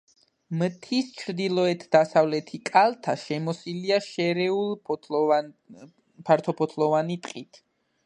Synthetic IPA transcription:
mt̪ʰist͡ʃʰɾd̪ilˠɔɛt̪ʰd̪asavlɛt̪ʰikʼalˠt̪ʰaʃɛmɔsiliaʃɛɾɛulˠ | pʰaɾt̪ʰɔpʰɔt̪ʰlˠɔvanit̪ʼqʼit̪ʰ

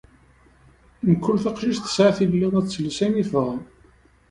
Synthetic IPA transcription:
nəkːʊlθɑqʃiʒθə̥sʕaθilːiðˤæt͡sːəlːsæniθʁˤəm

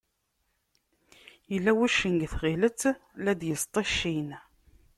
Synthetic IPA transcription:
jəlːæwæʃəŋɡθʁilət͡sːlæd̪jəst̪ˤɑʃːin

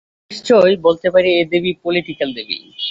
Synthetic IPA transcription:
ʃt͡ɕojbolt̪epaɾied̪ebipoliʈikald̪ebḭ

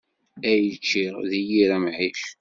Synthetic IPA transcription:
æjət͡ʃːiɾðijiɾæmʕiɬ

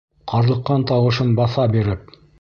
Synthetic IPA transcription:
qʰɑɾlˠɤ̆qːɑnt̪ɑwɤ̆ʃɤnbɑθɑbiɾɘp̚

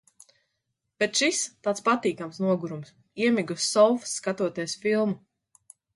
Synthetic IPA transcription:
b̥et̪ʃist̪aːt̪spat̪iːkamsnuɔɡuɾums | iɛmʲiɡusːɔlfsːkat̪uɔt̪iɛsfilˠmu

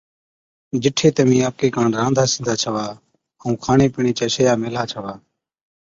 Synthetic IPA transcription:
d͡ʒɪʈʰeːt̪əmĩːaːp̚keːkãːɳɾãːnd̪ʱaːsɪnd̪ʱaːt͡ʃʰəʋaː | əũːkʰaːɳeːpɪɳeːt͡ʃəːʃəjaːmelaːt͡ʃʰəʋaː

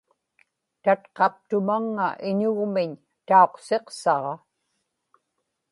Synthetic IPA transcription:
t̪at̪qɑp̚t̪ʊmaŋːa̰ʔɪɲʊɣmɪɲ | t̪ao̞qse̞qsɑʁɑ

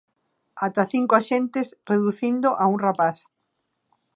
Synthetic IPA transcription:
at̪aθiŋkoaʃent̪ɪsreðuθind̪ʊʔauŋrapaθ

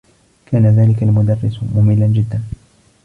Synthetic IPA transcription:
kʰaːnaðaːlɪkalmʊd̪ɑrːɪsmʊmɪlːand͡ʒɪd̪ːan

